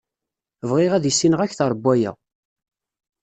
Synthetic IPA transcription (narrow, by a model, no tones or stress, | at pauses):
vʁɪʁæðjəsːinəʁæçθəɾˤbːæjæ̰